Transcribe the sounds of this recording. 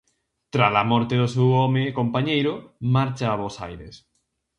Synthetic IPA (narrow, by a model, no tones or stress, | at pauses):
t̪ɾalamɔɾt̪eðosewɔmekompaɲejɾomaɾt͡ʃaːβosa̰jɾḛs